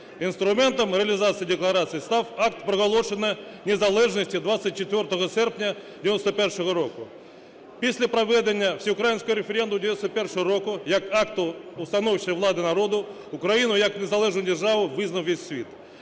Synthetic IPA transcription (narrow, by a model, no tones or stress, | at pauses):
inst̪ɾʊmɛnt̪ɔmɾeɐlʲɪzɑt̪sɨjid̪eklˠɐɾɑsɨjist̪ɑwɑkt̪pɾɔɣɔlˠɔʃenɐ | nʲezɐlˠɛʐnɔsʲtʲid̪ʋat̪sʲːɐt̚ʲt͡ʃet̪ʲʋʲɔrt̪ɔɦɔsɛrpnʲɐd̪ʲiɪnɔst̪ɔpɛrʂɔɦɔɾɔkʊ | pʲisʲlʲɐpɾɐʋɛd̪enʲːɐwsʲiʊkɾajinʲsʲkɔɔɾefʲeɾʲɛnd̪ʊmdʲjnɔst̪pɛrʂɔɦɔɾɔkʊjɐkɑkt̪ʊʊst̪ɐnɔwt͡ʃɪɐʋlˠɑd̪ɪnɐɾɔd̪ʊ | ʊkɾɐjinʊjɐknezɐlˠɛʒnʊjdʲerʒɑʋʊʋɪznɐwʋesʲsʲʋʲit̪